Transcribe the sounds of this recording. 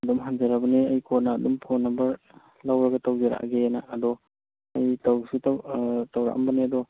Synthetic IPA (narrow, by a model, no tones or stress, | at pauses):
ɐdɔmɦand͡ʒaɾabɐniɐjkʰɔnaːdɔmpʰonɐmbɐɾ | lawɾɐɡɐtawd͡ʒeɾa̰ʔa̰ɡenaːdɔ | ɐjtawɡsuttawɾa̰ʔɐ̰mbɐneɐdɔ